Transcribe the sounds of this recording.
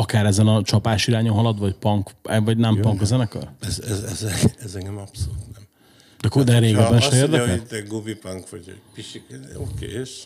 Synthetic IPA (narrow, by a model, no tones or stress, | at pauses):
ɒkaːɾɛzɛnɒt͡ʃɒpaːʃiɾaːɲoɦɒlɒd̪ʋɒcpɒŋkɛvɒɟnɛmpɒŋkɛzɛnɛkø̰lɛzɛzɛzɛɛzɛŋɡɛmɒpsolut̪nɛm | d̪̥ɛkud̪ɛɾeːɡɛbɛnʃɛeːrd̪ɛkɛlt̪ːɛɡobipaŋkʋɔɟo̰piʃiokḛeʃ